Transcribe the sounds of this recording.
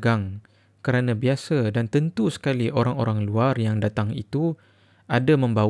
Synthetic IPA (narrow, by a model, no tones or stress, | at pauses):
ɡaŋ | kəɾanãbiasadant̪ənt̪usə̥kaliʔoɾaŋo̰ɾaŋluarjaŋdat̪aŋḭt̪u | ʔadamə̃mba